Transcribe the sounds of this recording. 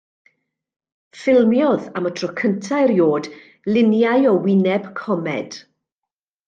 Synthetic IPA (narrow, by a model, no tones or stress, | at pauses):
fɪlˠmjɔðamətʰrɔkʰəntʰajrjoːd | lɪnjajɔwɪnɛb̥kʰɔmɛ̰d̥